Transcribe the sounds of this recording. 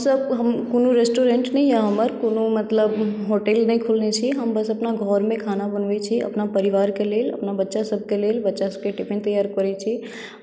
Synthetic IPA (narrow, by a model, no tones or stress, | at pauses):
ɦəmsəb̚ɦəmkonoɾesʈoɾeɳʈnəjjaɦəməɾkonomət̪ləbɦoʈelnəjkʰulnet͡ʃʰiɦəmbəsəpnaɡʱɔɾmẽkʰanabənʋɛt͡ʃʰiə̰pnapəɾiʋaɾkelelə̰pnabətːʃasəb̚ʱkelelbətːʃasəb̚keʈipʰent̪əjaɾkəɾɛt͡ʃʰi